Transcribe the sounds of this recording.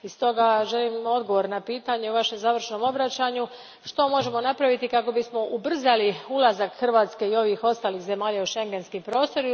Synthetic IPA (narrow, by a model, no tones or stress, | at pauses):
ist̪o̞ɡaʒe̞limo̞d̪ɡo̞ʋo̞ɾnapiːt̪aɲeuʋaʃe̞mzaːʋr̩ʃno̞mo̞bɾat͡ɕaɲu | ʃt̪o̞mo̞ʒe̞mo̞napɾaʋit̪ikako̞bismo̞ʔubr̩zaliulˠazakxr̩ʋaːt̪ske̞io̞ʋixo̞st̪aːlixze̞maːʎauʃe̞ŋɡe̞nskimpɾo̞ːst̪o̞ɾi